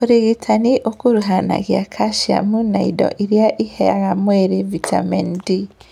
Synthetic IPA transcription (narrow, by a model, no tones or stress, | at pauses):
oɾiɣitʰaniʔokuɾuɦana̰ɣjakʰaʃia̰munaidɔ̰ʔiɾjaʔihɛa̰ɣamweɾevitʰa̰mɛndi